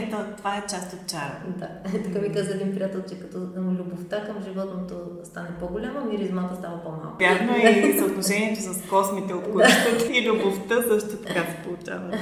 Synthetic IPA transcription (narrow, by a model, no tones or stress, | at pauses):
t̪ot̪ovaɛt͡ʃast̪ot̪̚t͡ʃaɾd̪a | t̪ɐkabikazəɛd̪inpɾijat̪ɛlˠt͡ʃɛkɐt̪ɔlʲuboft̪akəmʒivɔt̪not̪ɔst̪anɛpoɡʊlʲamɐmiɾizmat̪əst̪avɐpɔma̰lˠkbjaxnoizɐblˠʊʒɛniɛt͡ʃ̪ɛsɐskɔsmit̪ɛot̪ɡok̪ət̪ilʲuboft̪əzəʃt̪ot̪ɐkasɛ̥polˠut͡ʃa̰vət̪